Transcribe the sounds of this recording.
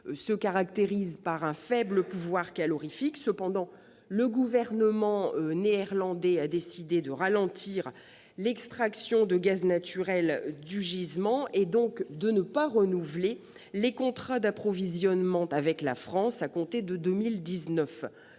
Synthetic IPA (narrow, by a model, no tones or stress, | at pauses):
səkaʁak̚t̪eʁizpaʁɛ̃fɛbləpuvwaʁkalɔʁifiksəpɑ̃d̪ɑ̃ | ləɡuvɛʁnəmɑ̃øneɛʁlɑ̃d̪ɛad̪esid̪ed̪əʁalɑ̃t̪ʰiʁ | lɛkst̪χaksjɔ̃d̪əɡaznat̪yʁɛld̪yʒizmɑ̃ʔed̪ɔ̃kd̪ənəpaʁənuvle | lekɔ̃t̪χad̪apχɔvizjɔnmɑ̃tavɛkla̰fχɑ̃sakɔ̃t̪ed̪əd̪ømild̪iznœf